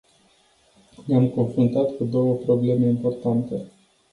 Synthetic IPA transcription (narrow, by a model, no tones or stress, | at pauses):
neamko̞nfɾunt̪at̪kud̪o̞wəpɾo̞ble̞me̞impo̞rt̪ant̪e